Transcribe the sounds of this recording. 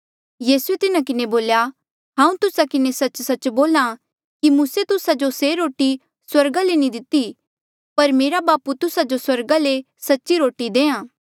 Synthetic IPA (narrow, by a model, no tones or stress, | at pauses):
jiːsuet̪ɪnakɪneboːlja | ɦãːũt̪ʊsakɪnesɐt͡ʃsɐt͡ʃboːlã | kimuːset̪ʊsad͡ʒoseɾoːʈi | swɐɾɡalenĩd̪ɪt̪ːi | pɐɾmeːɾabaːput̪ʊsad͡ʒoswɐɾɡale | sɐtːʃiɾoːʈid̪ẽːãː